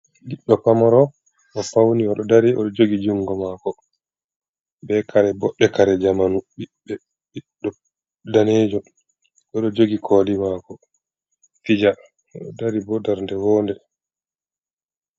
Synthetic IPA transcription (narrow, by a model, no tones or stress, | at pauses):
liɗːɔpamɔɾɔ | ʔɔfawniɔɗɔdaɾiʔɔ̰ɗɔd͡ʒoɡid͡ʒuŋɡɔmakɔ | bɛkʰaɾɛbɔɓːɛkaɾɛd͡ʒamanuɓiɓːɛ | ɗiɗɔ | daneːd͡ʒɔ | ʔɔɗɔd͡ʒoɡikʰɔːlimaːkɔ | fid͡ʒa | ɔɗɔdaɾibɔdaɾndɛwɔːndɛ